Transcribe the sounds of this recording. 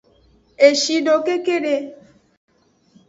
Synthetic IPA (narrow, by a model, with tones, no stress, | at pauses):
e˨ʃi˧ɖo˨ke˦ke˦ɖe˧